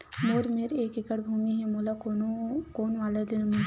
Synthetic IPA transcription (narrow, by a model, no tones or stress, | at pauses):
moɾmeɾeːkɪkəɽbʱumiɦɛmolakookoːnalad̪inmu